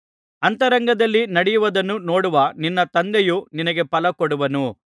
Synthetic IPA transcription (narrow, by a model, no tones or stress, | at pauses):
ɐnt̪ɐɾɐŋɡɐd̪ɐlːinɐɽijuʋɐd̪ɐnːuno̞ːɽuʋɐninːɐt̪ɐnd̪ejuninɐɡe̞pɐlɐkɔɽuʋɐnu